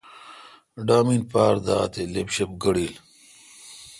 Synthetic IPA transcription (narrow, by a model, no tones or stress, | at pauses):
ɖaːminpaːɾd̪a̰ːt̪elepɕep̚ɡɐɽiːl